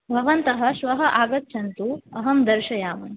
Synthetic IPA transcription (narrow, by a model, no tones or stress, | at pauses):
bʱɐʋɐnt̪ɐɦɐ̆ʃʋɐɦɐʔaːɡɐt̪ːʃʰɐnt̪uɐɦɐmd̪ɐɾʃɐjaːmɐn